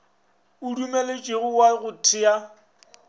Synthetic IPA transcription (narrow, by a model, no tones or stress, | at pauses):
udumelet͡ʃʼeɣʊwaɣʊtʰɪa